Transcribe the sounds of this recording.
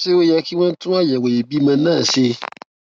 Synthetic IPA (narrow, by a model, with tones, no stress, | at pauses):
se˦wo˦jɛ˧ki˦w̃ɔ̃˦tũ˦a˦jɛ˨we˨e˨bi˦mã˧nãː˦˨se˧